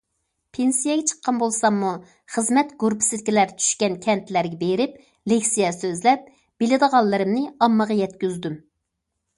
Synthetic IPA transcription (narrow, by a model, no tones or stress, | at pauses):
pʰensijɛɡʲɛt͡ʃʰə̥qːɑnbolˠsɑmːu | χəzmɛt̪ɡuɾpʰɪ̥sɪd̪kʲilæɾt͡ʃʰy̥ʃkʲɛnkʲʰɛnt̪læɾɡʲɛbeɾɪp | lekʲsijɛsøzlɛp̚ | b̥elɪd̪əʁɑlˠːɨɾɨmnɪɑmːəʁɑjɛt̪kʲyzd̪ym